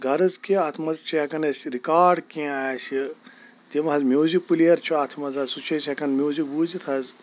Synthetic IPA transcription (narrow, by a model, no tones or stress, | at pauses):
ɡɐɾɐzkiaːt̪ʰmɐzt͡ʃʰiɐkɐnɐsɾikaːɾɖkĩaːsi | t̪imɦɐzmʲjuːzik̚pilijɐɾt͡ʃʰuaːt̪ʰmɐzɐzsut͡ʃʰisɐkɐnmʲjuːzik̚buːzit̪ʰɐz